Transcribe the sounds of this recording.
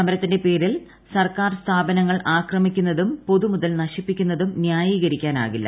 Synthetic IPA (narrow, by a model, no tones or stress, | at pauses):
ɐmɐɾɐt̪ːinde̞pe̞ːɾil | sɐrkaːrst̪ʰaːbɐnɐŋːɐɭʔaːkrɐmikʲːunːɐðumpo̞ðumuðɐlnɐɕipːikʲːunːɐðumnjaːjiːɣɐɾikʲːaːna̰ːɣilːɐ̰